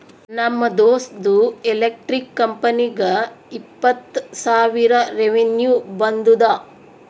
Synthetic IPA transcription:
nɐmːɐd̪oːsd̪uelek̚ʈɾikːɐmpɐniɡɐ | ipːɐt̪ːsaːʋiɾɐɾeʋenjuːbɐnd̪ud̪ɐ

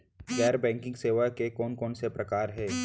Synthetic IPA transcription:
ɡɛːɾbɛ̃ːŋkɪ̃ŋɡseːʋakekɔːnkɔːnsepɾɐkaːɾɦɛː

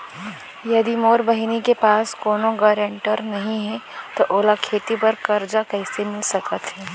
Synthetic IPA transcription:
jɐd̪imoːɾbɐɦinikepaːskoːnõɡɐɾɛ̃ɳʈəɾnɐɦĩɦɛt̪oʔoːlakʰeːt̪ipɐɾkɐɾd͡ʒakɛɪsemɪlsɐkət̪ɦɛː

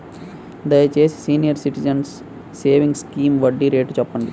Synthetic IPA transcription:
d̪ɐeːt͡ʃeːssiːnijɐɾsiʈid͡ʒɐ̃nsː | eːʋĩŋɡskĩːmʋɐɖiɾeːʈd͡ʒɔːpːɐ̃ɳɖ̪i

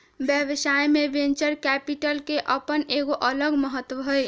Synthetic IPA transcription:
bjəʋsajmebent͡ʃəɾkɛpiʈəlkeʔəpəneɡoʔələɡməɦət̪ːwəɦoj

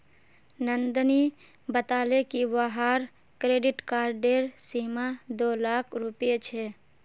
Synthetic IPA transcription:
nənd̪əni | bət̪aːlekiwaɦaːɾ | kɾeːɖɪʈkaːɾɖeːɾsiːmad̪oːlaːkʰɾʊpet͡ʃʰɛ

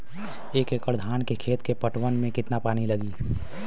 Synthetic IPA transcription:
eːkeːkəɾd̪ʱaːnkekʰeːt̪kepəʈwənmẽkɪt̪napaːniləɡiː

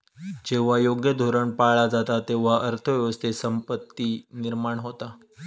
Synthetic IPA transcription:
d͡ʑeʋ̤ajoɡjəd̪ʱoɾəɳpaɭad͡zat̪at̪eʋ̤aʔəɾt̪ʰəʋjəʋəst̪ʰesəmpət̪ːiːniɾmaɳɦot̪a

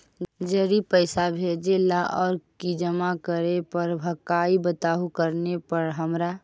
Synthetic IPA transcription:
d͡ʒəɾipəɪsabʱed͡ʒelaʔɔːɾkid͡ʒəmakəɾepəɾbʱəkaibət̪aːɦukəɾnepəɾɦəmɾa

